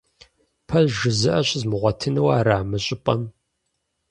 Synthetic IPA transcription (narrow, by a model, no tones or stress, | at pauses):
pʰɐʒɨzɨʔɐɕzmɨʁʷɔtʰɨnɨwaːɾaːmɨɕʼɪpʼɐm